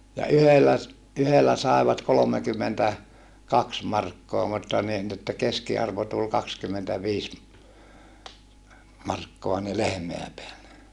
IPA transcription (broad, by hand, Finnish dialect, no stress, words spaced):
jɑ yhelːæ s yhelːæ sɑˑeʋɑt kolomekymːentæ kɑks mɑrkːoɑ mutːɑ niː ni etːæ keskiɑrʋo tul kɑkskymːentæʋiːs mɑrkːoɑ ni lehmeæ peælːe